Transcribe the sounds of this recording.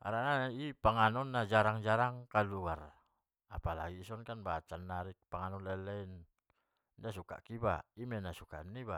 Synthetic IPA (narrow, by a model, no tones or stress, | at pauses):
a̰ɾanaipaŋanɔnːad͡ʒaɾaŋd͡ʒaɾaŋkaluɡar | apala̰ɡiːsɔnkanbat͡ʃanːaɾik̚paŋanɔnlɛlɛin | ndasuka̰ʔkibaimɛnasuka̰niba